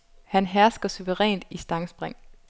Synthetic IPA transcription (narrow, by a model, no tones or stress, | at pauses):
hænɦæɐsɡ̥ɐsuʋəʁɛ̰ːnd̥isd̥ɑ̈ŋsb̥ʁeŋ̰